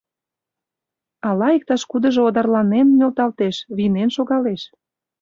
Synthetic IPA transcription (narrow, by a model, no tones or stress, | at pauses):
ɑlɑik̚t̪ɑʃkud̪ə̆ʒood̪ɑrlɑnenːʲølt̪ɑlt̪eʃβinenʃoɣɑleʃ